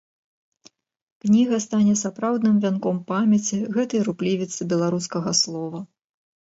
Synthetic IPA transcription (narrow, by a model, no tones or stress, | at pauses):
knʲiɣɐst̪anʲɛsapɾawd̪nɨmvʲankɔmpamʲɛt͡sʲiɣɛt̪ɐjɾuplʲivʲit̪sɨbʲɛlˠaɾuskɐɣɐslˠɔvɐ